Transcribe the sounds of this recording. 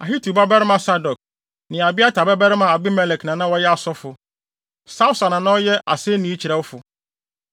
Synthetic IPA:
a˨ɦi˦tʰu˨ba˦bɛ˦ɾɪ˦mã˨sa˦dɔ˨k̚ | nɪ̃˨a˨bɪ˦a˦tʰa˨bɛ˦bɛ˦ɾɪ˦mã˨a˨bɪ˦mɛ˨lɛ˨knã˨nã˦wɔ˦jɛ˦a˨sɔ˦fʊ˨ | sa˦ʊ˦sa˨nã˨nã˦jɛ˦ʔa̰˨se˦nĩ˨˦i˦t͡ɕʰi˨ɾɛ˨wʊ˦fʊ˨

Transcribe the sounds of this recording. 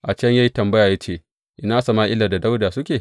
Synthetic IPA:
ʔa˨t͡ʃɐ˦ɲja˦ji˦tɐ˨mbɐ˦jaː˨ja˦t͡ʃeː˦˨ | ʔɪ˦naː˦sɐ˨maː˦ʔɪ˦laː˨da˨da˦wdaː˨sʊ˦kʲeː˨

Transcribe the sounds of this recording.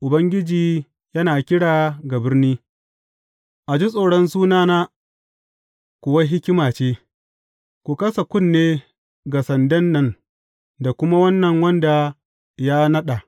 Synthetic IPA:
ʔʊ˨bɐ˦ŋɡʲɪ˦d͡ʒiː˨ | jɐ˦naː˨kʲɪ˦ɽaː˨ɡa˨bɪ˦rniː˦ | ʔa˨d͡ʒi˦sʼoː˨ɽɔ˦nsuː˦naː˦naː˦ | kʷʊ˨wa˦ɦɪ˦kʲɪ˦maː˨t͡ʃeː˦ | kʷu˨kɐ˦sa˨kʷʊ˦˨nːeː˦ | ɡa˨sɐ˨ndɐ˦nːɐ˦˨n | da˨kʷʊ˦ma˦wɐ˦nːɐ˨ŋwɐ˦nda˨ | ja˦nɐ˦ɗa˨

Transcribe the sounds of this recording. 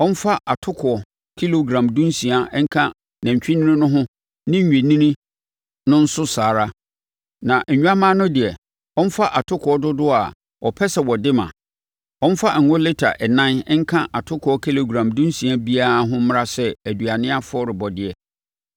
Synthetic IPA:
ɔ̃˦n̩˦fa˦ʔa˨tʰʊ˦kʰʊ˨ɔ˨ | kʰi˦lo˨ɡɾã˨mdũ˦nsĩ˨a˨ɛ˦ŋ̩˦kʰã˦ | nã˨ɲ̩˨t͡ɕᶣi˦nɪ̃˦ɪ̃˦nʊ̃˦ɦʊ̃˦ | nɪ̃˦ɲ̩ᶣ˨e˨nĩ˦nĩ˦ | nʊ̃˦n̩˦sʊ˦saː˨ɾa˦ | nã˨ʔ̩˨ɲᶣu˦a˦mãː˦nʊ̃˦dɪ˨ɛ˨ | ɔ̃˦n˦fa˦ʔa˨tʰʊ˦kʰɔ˦dʊ˦dʊ˦a˨ | ɔ˨pʰɛ˦sɛ˨wɔ˨dɪ˦mã̰˨ | ɔ̃˦n̩˦fa˦˨ŋ̩˨ʊ̃˦lɪ˦tʰa̰˨ʔɛ˨nã˦nɛ˦ŋ̩˦kʰã˦ʔa˨tʰʊ˦kʰɔ˦kʰi˦lo˨ɡɾã˨mdũ˦nsĩ˨a˦bi˦a˦a˨ɦʊ̃˦m̃˦ɾa˦sɛ˦æ˨dɥa˨nɪ̃˦a˦fʊ˦ɔ˦ɾɪ˨bɔ˨dɪ˨ɛ˨

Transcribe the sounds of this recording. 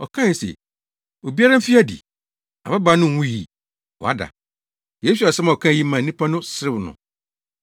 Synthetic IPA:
ɔ̰˨kʰã˦˨sḛ˨ | o˨bi˦a˦ɾã˦fi˦a˦dḭ˨ | a˨ba˦ba˨˦nʊ̃˦˨wũ˦jḭ˨ | wɔ̰˨a̰˦da̰˨ | je˦s̬u˨a˨sɛ˦mã˨ɔ˨kʰã˦˨ji˦mã˨nĩ˦pʰa˦nʊ̃˦sɪ˦ɾɪ˦nʊ̰̃˨

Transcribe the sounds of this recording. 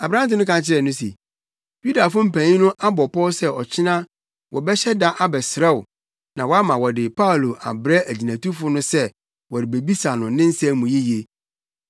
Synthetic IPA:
a˨bɾã˦tɪ˦nʊ̃˦kã˨t͡ɕʰɪ˦ɾɛ˨nʊ̃˦sḛ˨ | ju˦da˨fʊ̃˦m̩˨pʰæ̃˨ɲĩ˦nʊ̃˦ʔa˦bɔ˨pɔ˦sɛ˦ɔ˨t͡ɕʰɪ˦nã˦ | wʔɔ˨bɛ˦ɕɛ˦da˦ʔa˦bɛ˨sɾɛ˦wʊ˨ | nã˨wɔ˨˦a˦mã˨wɔ˨dɪ˨pʰa˦o˨lo˨ʔa̰˨bɾɛ˦ʔæ˨d͡ʑi˨næ̃˨tu˦fʊ˦nʊ̃˦sɛ˦ | wɔ˨ɾɪ˨be˨bi˦sa˨nʊ̃˨nɪ̃˦n̩˦sɛ̃˦mũ˨ji˦je˨

